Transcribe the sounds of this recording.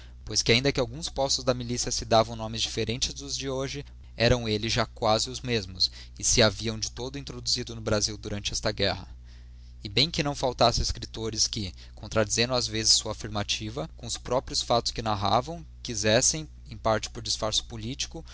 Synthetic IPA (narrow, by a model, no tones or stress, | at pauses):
pojskɪaĩnd̪ɐkɪawɡũspɔst̪ʊzd̪ɐmilisiɐsɪd̪avɐ̃w̃nõmɪzd͡ʒifeɾẽnt͡ʃɪzd̪ʊzd͡ʒɪoʒɪ | ɛɾɐ̃w̃elɪʒakwazɪʊzmezmʊs | ɪsɪaviɐ̃w̃d͡ʒɪt̪od̪ʊĩnt̪ɾod̪uzid̪ʊnʊbɾaziwd̪uɾɐ̃nt͡ʃɪɛst̪ɐɡɛhɐ̰ | ɪbẽj̃kɪnɐ̃w̃fawt̪asɪeskɾit̪oɾɪskɪ | kõnt̪ɾad͡ʒizẽnd̪ʊ̃azvezɪsːuɐafiɾmat͡ʃivɐkõʊspɾɔpɾiʊsfat̪ʊskɪnaɦavɐ̃w̃ | kizɛsẽj̃ | ẽj̃paɾt͡ʃɪ̥pʊɾd͡ʒisfaɾsʊ̥polit͡ʃi̥kʊ